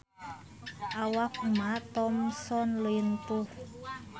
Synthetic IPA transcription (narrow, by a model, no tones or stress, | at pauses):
ʔawakumat̪ɔmsɔnlejənt̪uh